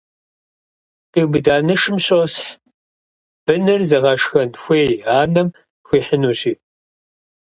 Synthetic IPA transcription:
tʼibɨdaːnɨʂɨmɕʼosħ | b̥ɨnɨrzɐʁɐʂxɐnxʷeːjaːnɐm | xʷiːħənuːɕiː

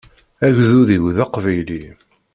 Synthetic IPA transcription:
æʝðuðiwðɑqvæjli

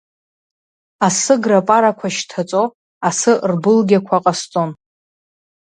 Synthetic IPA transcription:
asɨɡrapʼaɾakʷʰaʃtʰat͡sʼo | asɨrbɨlɡʲakʷʰaqʼast͡sʼon

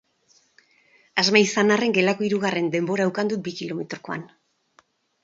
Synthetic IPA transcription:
azmaisanare̞ŋɡe̞lako̞iɾuɣare̞nd̪e̞mbo̞ɾaewkand̪ut̪̚bikilo̞met̪ɾoko̞a̰n

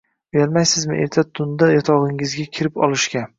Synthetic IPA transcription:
beɾmajsɪzmɪʔḛɾt̪ʰat̪ʰʊnd̪ajɒt̪ʰɒʁɪŋɪzɡʲakʲʰɪɾɪpɒ̰lˠɪʃkʲa

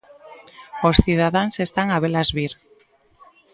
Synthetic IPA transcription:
osθið̞aðaŋsest̪aŋaβelazβiɾ

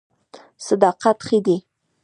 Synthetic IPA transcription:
sad̪ɑqat̪xid̪i

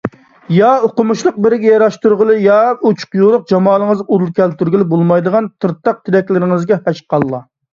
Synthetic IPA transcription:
jɑoqʊmuʃlˠəq̚bɪɾɪɡʲɛjɑɾɑʃt̪uɾʁəlˠɨjɑut͡ʃʰʊ̥qjolˠʊq̚d͡ʒɑmɑːlˠəŋəzuɾulˠkʲʰɛlt̪yɾɡʲilɪbolˠmɑjd̪əʁɑnt̪ʰɨɾt̪ːɑq̚t̪ʰɪɾɛkʲlɪɾɪŋɨzɡʲɛhɛʃqʰɑlˠːɑ

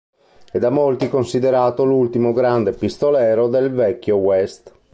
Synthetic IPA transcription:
ed̪amolt̪ikonsid̪eɾaːt̪olult̪imoɡɾand̪epist̪olɛːɾod̪elvɛkʲːjowɛst̪

